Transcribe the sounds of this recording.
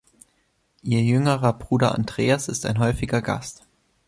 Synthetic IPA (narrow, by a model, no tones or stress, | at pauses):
ʔiːɐjʏŋəʁɐbʁuːɾɐʔa̰ndʁeːasɪsta̰ɪnɦɔʏfɪɡɐɡa̰st